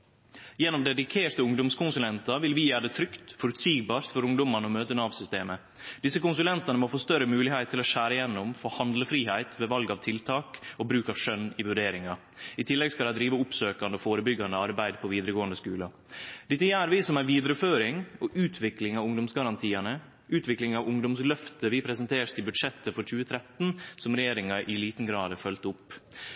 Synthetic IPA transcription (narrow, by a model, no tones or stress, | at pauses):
jɛnːɔmd̪ɛd̪ɪkʰeːʈ̪əʊŋd̪ʊmskʰʊnsʉlɛnt̪ɑʋɪlʋɪjæːɖ̪ɛt̪ʰɾʏkt̪fɔɾʉt̪siːɡbɑːɾst̪fɔɾʊŋd̪ʊmɑnɔmøːt̪ənɑːʋsʏst̪eːmə | d̪ɪsːəkʊnsʉlɛnt̪ɑnəmɔfoːst̪œɾəmʉːlɪhæɪt̪ʰːɪlɔʃæːɾɪjɛnːʊmfoːhɑnd̪ləfɾiːhæɪt̪ʋɛʋɑlɡɑʋt̪ʰɪlt̪ʰɑːkɔbɾʉːkɑʋʂœnːɪʋʉɖeːɾɪŋɑ | ɪt̪ʰɪlːɛɡskɑd̪ɛɪd̪ɾiːʋəʊpsøːkɑnd̪əɔfoːɾəbʏɡːɑnd̪əɑɾbæɪd̪pʰɔʋiːd̪əɾəɡoːɑnd̪əskʉ̰ːlɑ | d̪ɪt̪ːəjæːɾʋɪsɔmæɪʋiːd̪ɾəføːɾɪŋɔʔʉːt̪ʰʋɪklɪŋɑʋʊŋd̪ʊmsɡɑɾɑnt̪ʰiːənə | ʉːt̪ʋɪklɪŋɑʋʊŋd̪ʊmslœft̪əʋɪpʰɾɛsənt̪ʰeːʂt̪ʰɪlbʉd̪ʂɛt̪ːəfɔɾt͡ʃʉːət̪ʰɾɛt̪n̩sɔmɾɛjeːɾɪŋɑʔɪliːt̪n̩ɡɾɑːd̪əfœlt̪ʊpː